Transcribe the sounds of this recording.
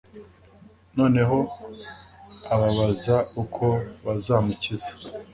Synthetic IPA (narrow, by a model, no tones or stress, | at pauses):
no̞ːne̞ɦo̞ | aβaβazaukʰo̞βazaːmucizḁ